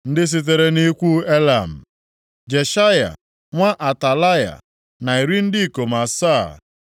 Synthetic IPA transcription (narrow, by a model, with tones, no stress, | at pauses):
n̩˦dɪ˦s̬i˦t̬e˨ɾe˦ni˦kʷu˦e˦la˨m̩˨ | d͡ʒe˨ʃa˦ja̰˨ | ŋʷa˦ʔa˨ta˨la˦ja̰˨ | na˨i˨ɾi˦n̩˦dɪ˦˨ko˨ma˨sa̰˦˨